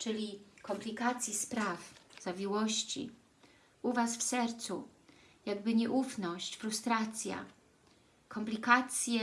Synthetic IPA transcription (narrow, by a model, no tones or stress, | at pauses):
t͡ʂɘlʲikɔmplʲikat̪sʲjispɾafz̥avʲiwɔɕt͡ɕḭ | uvasfsɛɾt̪sṵ | jaɡbɘɲɛʔufnɔɕt͡ɕfɾust̪ɾat̪sʲja̰ | kʰɔmplʲikat̪sʲjɛ